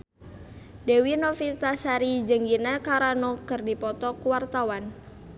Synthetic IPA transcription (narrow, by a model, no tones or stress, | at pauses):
dewinɔfit̪asaɾid͡ʒəŋɡinakaɾanɔkərdipɔt̪ɔkuwart̪awan